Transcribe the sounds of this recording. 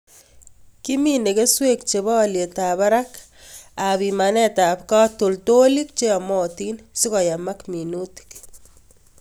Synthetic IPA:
ki˦mi˦ne˨ke˦swe˦kt͡ʃe˨βɔ˦˨lje˨ta˨βa˦ɾa˦k | a˨bi˨ma˨nɛ˦ta˨pka˦to˨lto˦li˦k̚t͡ʃe˦a˨mɔ˦ti˦nsi˦kɔ˨ja˨ma˦kmi˨nu˦ti̥k

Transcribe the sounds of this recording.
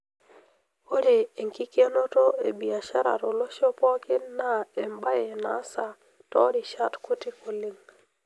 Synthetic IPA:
o˦ɾeː˨ŋki˦ke˦no˦to˦e˨bi˨a˨ʃa˦ɾa̰˨ɾo˨lo˦ʃo˦pɔ˦kɪ˦na˦e˨mba˦je˨na̰˦sa˨ | tɔ˦ɾi˨ʃa˦tku˦ti˦ko˨li˦ŋ

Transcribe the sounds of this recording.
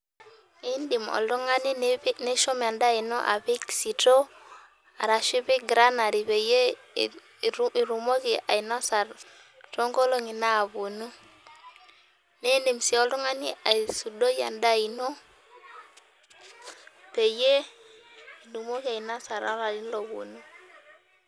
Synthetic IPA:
e˦ndi˨mɔ̰˨ldɔ˦ŋa˦ni˦ne˦ʃɔ˦m˨a˨nda˦i˨no˦ʔa̰˨bi˦ksi˨to˦ | a̰˨ɾa˨ʃi˦bi˦ɡɾa˦na˨ɾi˨be˨je˦ | i˨ɾu˨mo˦ki˨a̰˨i˨na˦sa˨ɾ | to˦ŋɡo˦lo˦ŋi˨naː˦˨bu˨nu˦ | ne˦ne˨msi˨ɔ˦ldɔ˦ŋa˦ni˦a˨su˨do˦ja̰˨nda˦˨i˨no˦ | pe˨je˦ | i˨lu˨mo˦ki˦a˨i˨na˦sa˨ɾa˦la˨li˦n˦lo˨bo̰˨nu˦

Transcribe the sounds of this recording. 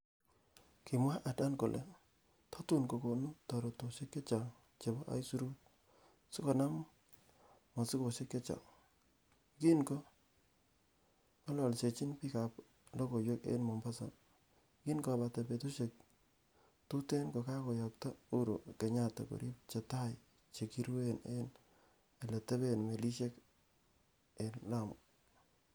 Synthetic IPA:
ki˨mwa˦ʔa˨da˦nko˨lʔḛ˨ | tɔ˦tu˦nko˨ko˨nu˦tɔ˨ɾo˨to˨ʃe˦kːe˦t͡ʃa˨ | t͡ʃe˨bɔ˦ʔa̰˦jsu˦ɾu˦t̚ | si˦kɔ˨na˦m | mɔ˨sɪ˦ko˨se˦kːe˦t͡ʃa̰˨ | ɡi˦nkɔ˦ | ka˦lɔ˨lse˨t͡ʃi˦npi˦ka˨p | lo˦ko˨jo˦kḛ˦nmo˨mba˦sa | ki˦nko˨ba˨te˨pe˨tu˦ʃe˦k̚ | tu˦te˦nko˨ka˦ko˨jɔ˨k̚ta˦u˦ɾo̰˨ke˨ɲa˦ta̰˨ko̰˨ɾi˦p̚t͡ʃe˨ta˦j | t͡ʃe˨ki˦ɾwe˦nḛ˦n | e˨le˨te˦be˦nme˨li˦ʃe˦k | e˨nla˦˨mʊ˨

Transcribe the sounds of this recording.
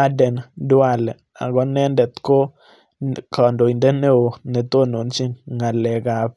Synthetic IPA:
a˦dɛ˨ndʊ˦a˦˨lɛ˨ | a̰˨ɡɔ˦nɛ˦ndɛ˨t̪ko˦ | kɔ˨ndo˨i˨nde˦ne˦o˨nɛ˨t̪o˦no˨nt͡ʃi˦ŋa˨lɛ˨ɡa˨p̚

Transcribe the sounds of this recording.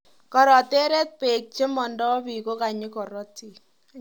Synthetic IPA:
kɔ˨ɾɔ˨te˦ɾe˦t̪̚pe˨k̚t͡ʃe˦mɔ˨ndɔ˦βi˨ko˦ka˨ɲɪ˦kɔ˨ɾɔ˦ti˨

